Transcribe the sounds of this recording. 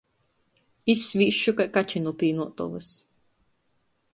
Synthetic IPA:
isvʲiʃukajkat͡ʃinupiːnuɔt̪ɔ̰vɨs

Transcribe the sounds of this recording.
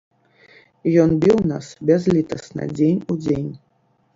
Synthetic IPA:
jɔnbʲiwna̰sbʲɛzlʲit̪ɐsnɐ̰d͡zʲenʲud͡zʲenʲ

